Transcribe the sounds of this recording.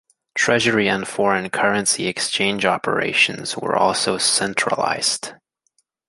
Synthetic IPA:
tʰɹ̥ɛʒə˞iɨ̃nfɔɹɨ̃nkʰɜ˞ɨ̃nsiɨkst͡ʃʰẽɪ̃nd͡ʒɑpʰə̰˞ḛɪʃɨ̃n̩z̥wə̰˞ʔɔ̰lˠsoʊsɛ̃nt͡ʃɹ̥ə̰la̰ɪz̥d̥

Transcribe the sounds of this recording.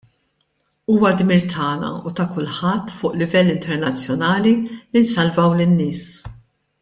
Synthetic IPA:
uːwɐd̪miːɾt̪ʰɐːnɐ̰ut̪ɐkʊlħɐt̪ːfʊːʔlɪvɛlːɪnt̪ɛɾnɐt͡sːjɔnɐːlilinsɐlvɐwlɪnːɪːs

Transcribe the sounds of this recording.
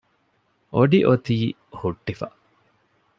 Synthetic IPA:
ʔoɖiʔot̪iː | huʈːifɐ

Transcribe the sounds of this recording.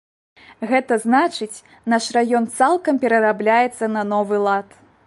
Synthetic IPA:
ɣɛt̪ɐznat͡ʂɨt͡sʲ | naʂrajɔnt̪salˠkɐmpʲɛɾɐɾablʲajɛt̪sːɐnɐnɔvɨlˠat̪

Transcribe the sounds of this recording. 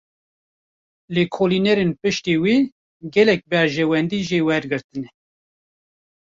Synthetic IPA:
leːkʰoːlinɛɾenpɨʃt̪iwiː | ɡɛlɛk̚bɛɾʒɛwɛnd̪iːʒeːwɛɾɡɨɾt̪ɨnɛ

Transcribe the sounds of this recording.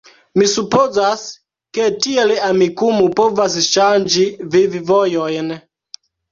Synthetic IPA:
misupozas | ke̞tielamikumupovasʃand͡ʒivivivojojn

